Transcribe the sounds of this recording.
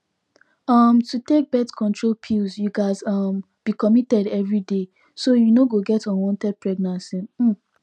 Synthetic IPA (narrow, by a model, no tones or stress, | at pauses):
ʌmtutek̚bɛtkʰɔ̃ntɹolpʰilzjuɡaɪzʌm | b̥ikɔmitɛdɛvɹide | sojunoɡoɡɛtɔ̃nwɔ̃ntɛd̚pɹɛɡ̚nãnsĩnm̩